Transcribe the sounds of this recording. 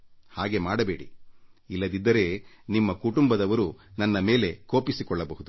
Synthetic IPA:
haːɡe̞maːɽɐbe̞ːɽḭilːɐd̪id̪ːɐɾe̞nimːɐkuʈumbɐd̪ɐʋɐɾunɐnːɐme̞ːleko̞ːpisikɔɭːɐbɐɦud̪u

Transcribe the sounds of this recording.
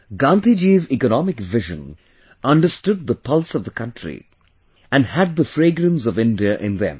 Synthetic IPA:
ɡãnt̪id͡ʒizikənɔmɪkʋɪʒə̰̃n | ʔʌ̃nɖəsʈʊd̪̚ðəpʰʌlˠsʌvd̪əkʰʌ̃nʈʰɾḭ | æ̃nhæd̪̚ðəfɾeːɡɾə̃ns̬ɔvɪ̃nɖiəʔɪ̃nðɛ̰̃m

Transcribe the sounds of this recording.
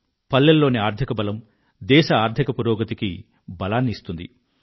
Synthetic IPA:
pɐlːɐlːo̞ːniaːɾt̪ʰikɐbɐlɐm | d̪ɛːʃɐaːɾd̪ʰʱikɐpuɾɔːɡɐt̪iki | bɐlaːnːiist̪und̪ḭ

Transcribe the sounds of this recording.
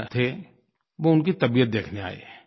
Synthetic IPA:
t̪ʰe | ʋoʊnkit̪ɐbijət̪̚d̪eːkʰnea̰ːḛː

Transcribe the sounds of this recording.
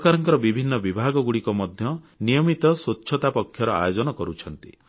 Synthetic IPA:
kaɾɔŋkɔɾɔbibʱinːɔbibʱaɡɔɡuɽikɔmɔd̪ʱjɔnijɔmit̪ɔswotːʃʰɔt̪apɔkʰːjɔɾɔa̰jod͡ʒɔnɔkɔɾut͡ʃʰɔnt̪ḭ

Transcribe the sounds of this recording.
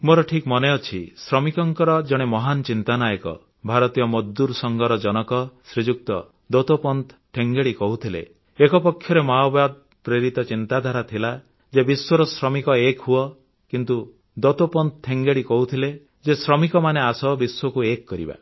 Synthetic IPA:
moɾɔʈʰikmɔneɔt͡ʃʰisɾɔmikɔŋkɔɾɔd͡ʒɔɽ̃emɔɦant͡ʃint̪anajɔkɔ̰ | bʱaɾɔt̪ijɔmɔd̪ːuɾsɔŋɡɔɾɔd͡ʒɔnɔkɔsɾid͡ʒuk̚t̪ɔ̰ | d̪ot̪opɔnt̪ʰʈʰeŋɡeɽikɔɦut̪ʰilḛ | ekɔpɔkʰːjɔɾemaɔbad̪̚ | pɾeɾit̪ɔt͡ʃint̪ad̪ʱaɾat̪ʰila | d͡ʒebiswɔɾɔsɾɔmikɔekɦuɔ | kint̪u | d̪ot̪opɔnt̪̚ʰʈʰeŋɡeɭikɔɦut̪ʰile | d͡ʒesɾɔmikɔmaneasɔbiswɔkuekːɔɾḭba̰

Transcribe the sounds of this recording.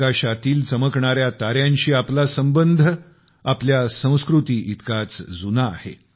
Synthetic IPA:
aɕat̪iːlt͡səməkɳaɾjat̪aɾjãɲɕiːaplasəmbənd̪ʱə | apljasə̃w̃skɾut̪iːʔit̪kat͡sd͡zuna̰ːhḛ

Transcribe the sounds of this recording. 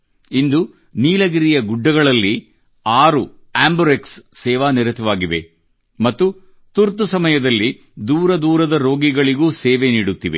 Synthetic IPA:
ind̪u | niːlɐɡiɾijɐɡuɖːɐɡɐɭɐlːi | aːɾu | aːmbuɾeksːɛːʋaːniɾɐt̪ʰɐʋaːɡiʋe̞̰ | mɐt̪ːu | t̪uɾt̪usɐmɐjɐd̪ɐlːi | d̪uːɾɐd̪uːɾɐd̪ɐɾo̞ːɡiɡɐɭiɡuːseːʋeniːɽut̪ːiʋe̞̰

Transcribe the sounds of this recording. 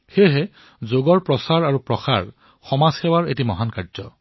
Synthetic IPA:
xeɦɛ | zoɡɔɹpɹɔsaɹaɹupɹɔxa̰ɹ | xɔmazxɛwaɹḛtimɔɦankaɹzɔ̰

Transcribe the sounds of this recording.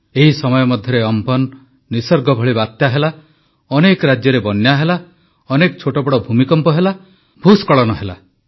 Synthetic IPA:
eɦisɔmɔjɔmɔd̪ʱjɔɾeɔmpɔnː | isɔɾɡɔbʱɔɭibat̪jaɦela | ɔnekɔɾad͡ʒjɔɾebɔnːjaɦela | ɔnekɔt͡ʃʰoʈɔbɔɽɔbʱumikɔmpɔɦela | bʱuskɔɭɔnɔɦela̰

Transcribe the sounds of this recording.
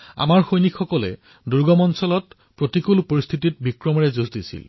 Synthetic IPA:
a̰maɹxojnikʰxɔkɔlɛ̰ | duɹɡɔmɔnsɔlɔt | pɹotikulpoɹist̪ʰitit̚bikɹɔmɔɹɛzusdisḭl

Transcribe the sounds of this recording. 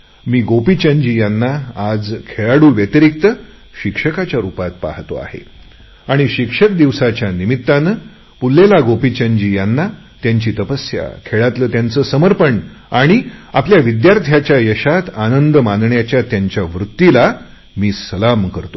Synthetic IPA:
miːɡopit͡ɕəɲd͡ʑiːjanːaad͡zkʰeɭaɽuːʋjet̪əɾik̚t̪ə | ɕikʂəkat͡ɕjaɾupat̪̚pa̰ht̪o̰a̰hḛ | aɽ̃iɕikʂəkd̪iʋsat͡ɕjanimit̪ːanə | pulːelaɡopit͡ɕə̃ɲd͡ʑiːjanːa | t̪jaɲt͡ɕiːt̪əpəsja̰kʰeɭat̪ləːt̪jant͡səːsəməɾpəɳ | aɽ̃iapljaʋid̪jaɾt̪ʰjat͡ɕjajəɕat̪anənd̪əmanɳjat͡ɕjat̪jaɲt͡ɕjaʋɾut̪ːila | miːsəlamkəɾt̪o

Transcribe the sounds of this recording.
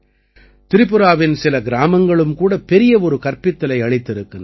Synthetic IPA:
t̪ɪɾɪpːɯɾaːʋɪnsɪlɐɡɪɾaːmɐŋɡɐɭɯmkuːɽɐpɛɾɪjɐɔɾɯkɐrpɪt̪ːɐlɐɪɐɭɪt̪ːɪɾɯkːɯn

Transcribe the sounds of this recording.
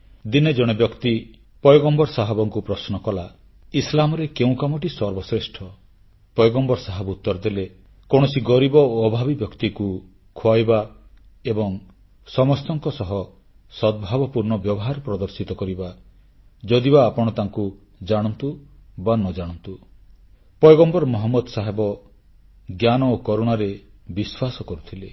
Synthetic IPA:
d̪ined͡ʒɔɽ̃ebjɔkt̪i | pɔjɡɔmbɔɾsaɦɔbɔŋkupɾɔsnɔkɔla | islamɔɾekeũkamɔʈisɔɾbɔsɾesʈʰɔ | pɔjɡɔmbɔɾsaɦabut̪ːɔɾd̪ele | koɽ̃ɔsiɡɔɾibɔːbʱabibjɔkt̪iku | kʰoajba | ebɔŋ | sɔmɔst̪ɔŋkɔsɔɦɔ | sɔd̪̚bʱabɔpuɾɳɔbjɔbɔɦaɾpɾɔd̪ɔɾsit̪ɔkɔɾiba | d͡ʒɔd̪ibaːpɔɽ̃ɔt̪aŋku | d͡ʒaɽ̃ɔnt̪ubanɔd͡ʒaɽ̃ɔnt̪u | pɔjɡɔmbɔɾmɔɦɔmːɔd̪ɔsaɦebɔ | ɡjanɔokɔɾuɽ̃aɾebiswasɔkɔɾut̪ʰile

